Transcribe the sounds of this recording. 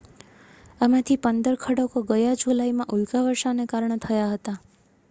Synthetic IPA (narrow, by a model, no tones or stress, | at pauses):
əmãt̪ʰipənd̪əɾkʰəɽokoɡəjad͡ʒulajmãʔulɡaʋəɾʃanekaɾɳət̪ʰəjaɦət̪a